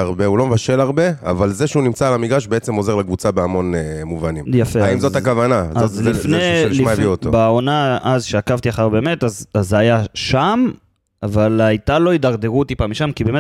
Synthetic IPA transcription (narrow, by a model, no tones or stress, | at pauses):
aʁbe̞ulomevaʃe̞laʁbe̞a̰valzeʃeunimt͡saːlamiɡaʃbeet͡semo̞ze̞ʁlekvut͡sabeamo̞nemuvanimjafeaimzot̪hakavanazzlifnelimaviot̪obaonaʔazʃeakavt̪iaχaʁbe̞ːme̞tazazeajaʃam | avalajt̪alo̞id̪aʁd̪e̞ʁut̪ipamiʃamkibem